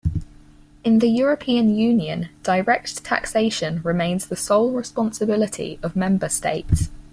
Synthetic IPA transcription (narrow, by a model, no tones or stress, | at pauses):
ɪ̃nðəjɔːɹəpʰĩə̃njʉːnjə̰̃nd̥əɪɹɛk̚tʰa̰kseɪʃə̃nɹɪmẽɪ̃nz̥ðəsəʊlˠɹɪspɒ̃nsəbɪlɪtʰḭəvmɛ̃mbəstḛɪts